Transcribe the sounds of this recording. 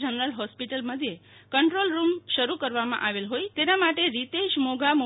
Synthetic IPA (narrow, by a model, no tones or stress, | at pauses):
d͡ʒənəɾəlɦɔspiʈəlməd̪ʱjekəɳʈɾolɾumʃəɾukəɾʋamã̰ʔaʋelɦojt̪enamaʈeɾit̪eʃmoɡʱamo